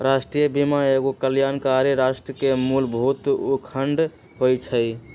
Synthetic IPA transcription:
ɾasʈɾijəbimaeɡokəljankaɾiɾasʈɾəkemulbɦut̪ukʰəɳɖ | ɦojt͡ʃʰəj

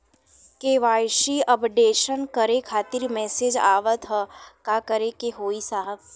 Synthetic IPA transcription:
keːʋaːjʃiəpɖeːʃənkəɾekʰaːt̪ɪɾmɛːsed͡ʒa̰ːʋət̪ɦəkakəɾekeɦoːisaːɦəp

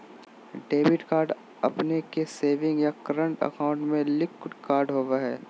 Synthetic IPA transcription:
ɖeːbɪʈkaːɾɖ | ɐpnekeseːʋɪ̃ŋɡjakəɾə̃ɳʈə̰kaːʊ̃ɳʈmẽlɪkkaːɾɖɦoːʋaɦɛː

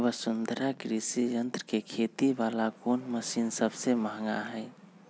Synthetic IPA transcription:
bəsʊnd̪ʱəɾakɾisijənt̪ɾəkekʰet̪iʋalakonməsiːnsəbseməɦŋɡa̰ɦɛ

